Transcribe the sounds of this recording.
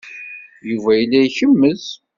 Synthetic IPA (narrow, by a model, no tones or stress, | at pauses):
juvæjəlːæjçəmːəz̥